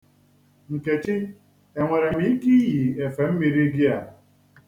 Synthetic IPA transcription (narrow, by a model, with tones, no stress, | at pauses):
ŋ̩˨ke˨t͡ʃɪ˦ | e˨ŋʷe˨ɾe˨m̩i˦ki˦ji˨e˨fe˨m̩˦mi˨ɾi˦ɡɪ˦a˨